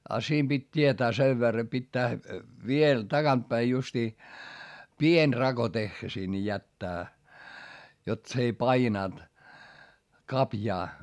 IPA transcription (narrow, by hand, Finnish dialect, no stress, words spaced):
ɑ siːm b̥itʲ tietæː seʋ ʋerːɑ pitːæː ʋiel tɑɡ̊ɑnt pæi justiː pienʲ rɑɡ̊o texːæ sinˑĕ jætːæː jot s ei pɑinɑˑnt kɑpjɑː